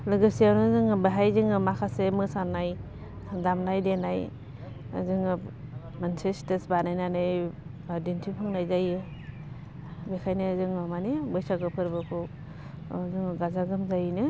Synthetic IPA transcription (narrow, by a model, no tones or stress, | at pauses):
lɯɡɯsijawnɯzɯŋɯbɯɦajzɯŋɯmakʰasemɯsanaj | damnajdenaj | azɯŋɯ | mansestesbanajnanɯj | dintʰipʰɯŋnajzajɯ | bekʰajnɯzɯŋɯmanibɯjsaɡɯpʰɯɾbɯkʰɯ | zɯŋɯɡazaɡɯmzajnɯ